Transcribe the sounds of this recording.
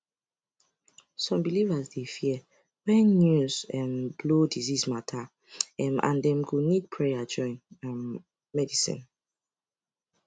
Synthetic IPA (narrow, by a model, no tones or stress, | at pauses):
sɔ̃mbilivazdefi | wɛ̃nːjuzɛmblodizismatʰa | ɛmã̰ndɛ̃mɡunid̚pʰɹɛjad͡ʒɔ̃ɪ̃nɛmː | ɛdisḭ̃n